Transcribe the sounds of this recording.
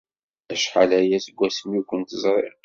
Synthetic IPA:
æʃħalæjæsɡʷːæsəmjukʷːənt̪əzˤɾˤḛʁ

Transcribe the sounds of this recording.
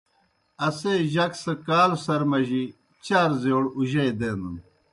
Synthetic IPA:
ɐseʑɐksɐkaːlsɐɾmɐʑi | t͡ɕaːɾzewɽuʑɐjd̪eːnd̪un

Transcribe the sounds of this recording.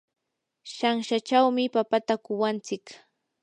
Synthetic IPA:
ʃaŋʃat͡ʃawmɪpapat̪akʊwant͡sɪk

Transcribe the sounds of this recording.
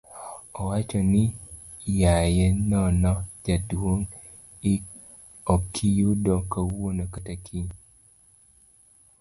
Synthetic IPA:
ɔwat͡ʃɔnɪ | jajɛnɔnɔd͡ʒadwoŋ | ɪ | okʰijudɔkawonokatakʰiɲ

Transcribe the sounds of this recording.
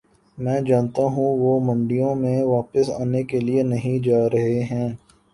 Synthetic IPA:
mɛ̃ːd͡ʒaːnt̪aɦũʋomɐ̃ɳɖijõmẽʋaːpəsa̰ːnekelienɐɦĩd͡ʒaːɾɐɦeɦɛ̃ː

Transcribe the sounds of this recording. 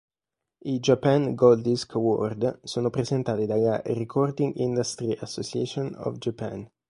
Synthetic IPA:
id͡ʒapanɡold̪iskawɔ̰rd̪soːnopɾezent̪aːt̪id̪ajarekʰɔrd̪iŋɡḭnd̪ast̪ɾiʔasːot͡ʃiɛt͡ʃonɔ̰vd͡ʒapa̰n

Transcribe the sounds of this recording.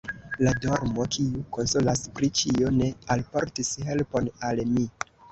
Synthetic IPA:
ladoɾmo̞kʰiuko̞nsolaspɾit͡ʃione̞alpo̞ɾtishe̞lpo̞nalmi

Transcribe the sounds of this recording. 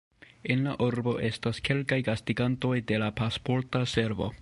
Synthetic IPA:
e̞nlaʔuɾbo̞ʔe̞staske̞lkajɡastiɡanto̞jde̞lapaspo̞ɾtase̞ɾvo̞̰

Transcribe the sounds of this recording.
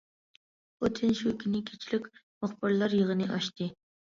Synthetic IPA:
ot̪ʰɪnʃukʲʰinɪkʲʰe̥t͡ʃʰilɪkʲmʊχbɨɾlˠɑɾjəʁənɨʔɑʃt̪ɨ

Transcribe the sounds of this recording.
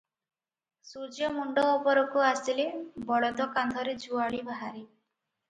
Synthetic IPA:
sud͡ʒjɔmuɳɖɔːpɔɾɔkuasilebɔɽɔd̪ɔkand̪ʱɔɾed͡ʒuaɭibaɦaɾi

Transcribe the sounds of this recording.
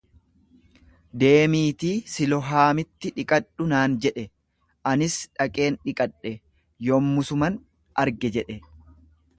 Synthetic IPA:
d̪e̞ːmiːt̪iːsɪlɔɦaːmɪt̪ːɪᶑɪkʼɐᶑʊnaːnd͡ʒɛᶑɛ | ʔɐnɪsᶑɐkʼe̞ːnᶑɪkʼɐᶑːɛ | joːmːʊsʊmɐn | ʔɐɾɡɛd͡ʒɛᶑɛ

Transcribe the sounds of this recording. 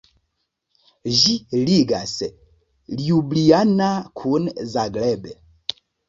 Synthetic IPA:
ʒiliɡasɛ | ljublianakʰunzaɡlɛbɛ

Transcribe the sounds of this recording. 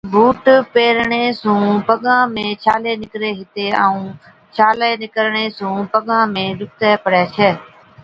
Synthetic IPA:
bʱuːʈpeːɾɳeːsũːpəɠãːmẽːt͡ʃʰaːleːnɪkɾeːɦɪt̪eːaːũː | t͡ʃʰaːleːnɪkəɾɳeːsũːpəɠãːmẽːɗʊkt̪ɛːpəɽɛːt͡ʃʰɛː

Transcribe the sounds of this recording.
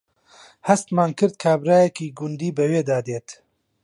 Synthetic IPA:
hɐst̪maːnkʰɨɾd̪̚kʰaːbɾaːjɛkiːɡʊnd̪iːbɐweːd̪aːd̪eːt̪

